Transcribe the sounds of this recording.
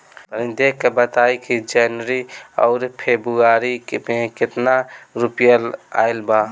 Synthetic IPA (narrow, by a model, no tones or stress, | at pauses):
əĩd̪ekkːebət̪aikid͡ʒɛnəɾiɔ̰ːɾpʰebɾuaɾikmekɪt̪naɾupjəla̰ɪlba